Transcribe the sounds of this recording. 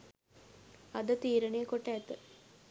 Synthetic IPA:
ɐd̪ət̪iːɾənejkoʈːəæt̪ə

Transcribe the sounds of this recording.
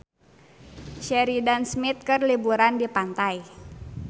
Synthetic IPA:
ʃɛɾidansmit̪̚kɨrlibuɾandipant̪aj

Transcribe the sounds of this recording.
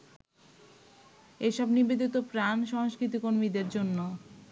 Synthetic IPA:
eʃɔbnibed̪it̪opɾanʃɔŋoʃkɾit̪̬ikoɾmid̪eɾd͡ʑonːo

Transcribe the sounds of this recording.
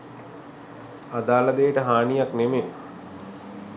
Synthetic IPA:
ad̪aːlad̪ejəʈəɦaːnijakneme

